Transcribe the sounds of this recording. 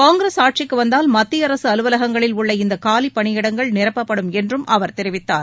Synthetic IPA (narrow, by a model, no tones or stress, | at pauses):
kaːŋɡɪɾeːsaːʈ̚t͡ʃɪkːɯʋɐnd̪aːlmɐt̪ːɪjɐɾɐsɯɐlɯʋɐlɐɣɐŋɡɐɭɪlʊɭːɐɪnd̪ɐkaːlipːɐɳɪjɪɽɐŋɡɐɭnɪɾɐpːɐpːɐɽɯmɛndrɯmʔɐʋɐɾt̪ɛɾɪʋɪt̪ːaːɾ